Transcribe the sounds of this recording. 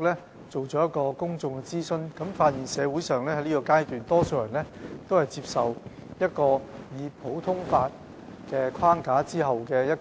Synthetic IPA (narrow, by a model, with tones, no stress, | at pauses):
k̚lɛː˥ | t͡so˨wt͡sɔː˨˥jɐ˥t̚kɔː˧kʊ˥ŋt͡sʊ˧ŋkɛ˧t͡siː˥sɵ˥nkɐ˨˥mfaː˧t̚jiː˨˩nsɛː˨˧wu˨˥jsœː˨ŋlɛː˥hɐ˨˥jliː˥kɔː˧kaː˥jt̪yː˨nt̪ɔː˥soː˧wjɐ˨˩nlɛː˥t̪o˥whɐ˨˩jt͡siː˧p̚sɐ˨w | jɐ˥t̚kɔː˧jiː˨˧pʰo˨˥wt̪ʰʊ˥ŋfaː˧t̚ | kɛː˧kʷʰwaː˥ŋkaː˨˥t͡siː˥ɦɐ˨wkɛː˧jɐ˥t̚